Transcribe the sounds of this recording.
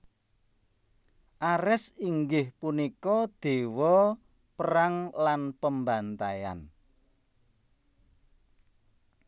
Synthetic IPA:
ʔaɾɪsiŋɡɪhpunikɔd̪̥e̤wɔ | pəɾaŋlanpəmbant̪aja̰n

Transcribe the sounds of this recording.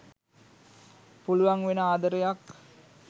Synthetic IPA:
puluʋaŋʋenəaːd̪əɾəjak

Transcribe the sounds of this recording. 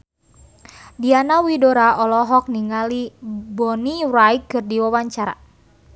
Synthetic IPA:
dianawidoɾaʔɔlɔɦɔk̚niŋalibɔnirajkɨrdiwawaɲt͡ʃaɾa̰

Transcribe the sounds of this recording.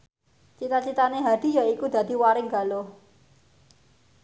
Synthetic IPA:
t͡ʃit̪at͡ʃit̪aneɦad̪̥i̤jaikud̪ä̤d̪̥i̤waɾɪŋɡa̤lo

